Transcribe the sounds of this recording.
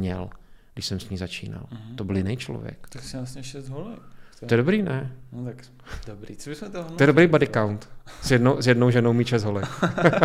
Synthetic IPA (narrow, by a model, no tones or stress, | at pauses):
ɲɛ̰lɡdɪʃsɛmsɲiːzat͡ʃḭːna̰lt̪obɪljɪnɛjt͡ʃlo̰vjɛ̰kt̪aksɪasɲɛʃɛsd̪ɦolɛk̪t̪ojɛdobɾiːnɛnot̪ak | d̥obɾiobɪsmɛt̪ot̪jɛdobɾejbadɪkawnt̪sjɛdnowsjɛdnowʒɛnowmiːʃɛzt̪ɦolɛk